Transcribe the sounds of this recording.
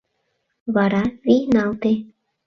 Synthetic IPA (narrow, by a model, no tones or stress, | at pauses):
βaɾaβinawt̪e